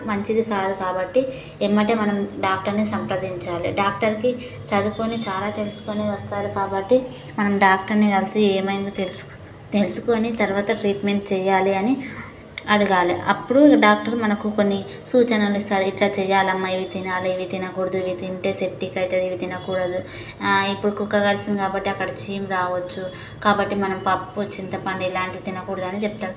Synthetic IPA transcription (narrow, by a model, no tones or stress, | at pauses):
mɐɲt͡ʃid̪ikaːd̪ukaːbɐʈːi | emːɐɳʈeːmɐnɐmɖaːk̚ʈɐɾnisɐmpɾɐd̪iɲt͡ʃaːliɖaːk̚ʈɐɾki | t͡ʃɐd̪ukoːnit͡ʃaːlaːt̪e̞lusu̥koːniʋɐst̪aːɾukaːbɐʈːi | mɐnɐmɖaːkʈɐɾniɐlsieːmɐjnd̪ot̪els | t̪e̞lsu̥koːnit̪ɐɾuʋaːt̪ɐʈɾiːʈme̞ɳʈ̚t͡ʃɛːjaːliɐni | ɐɽuɡaːlḭʔɐ̰pːuɽuɖaːk̚ʈɐɾmɐnɐkuko̞nːi | suːt͡ʃɐnɐlist̪aːɾiʈlat͡ʃɛːjaːlɐmːaːiʋit̪inaːlɐiʋit̪inɐkuːɽɐd̪uʋit̪iɳʈeːseʈːikɐjt̪ɐd̪iʋit̪inɐkuːɽɐd̪u | ipːuɽukukːɐɡɐlsind̪ikaːbɐʈːiɐkːɐɽɐt͡ʃiːmɾaːʋɐt͡ʃːu | kaːbɐʈːimɐnɐmpɐpt͡ʃːint̪ɐpɐɳɖiilaːɳʈiʋit̪inɐkuːɽɐd̪uɐnit͡ʃɛp̚t̪aːɾu